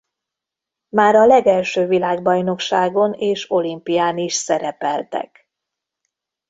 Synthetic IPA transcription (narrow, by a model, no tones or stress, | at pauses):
maːɾɒlɛɡɛlʃøːvilaːɡbɒjno̞kʃaːɡo̞neːʃo̞limpijaːniʃsɛɾɛpɛlt̪ɛ̰k